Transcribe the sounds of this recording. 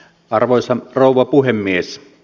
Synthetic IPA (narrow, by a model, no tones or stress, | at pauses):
ɑrʋoˑsɑroˑuʋˑɑpuhemːies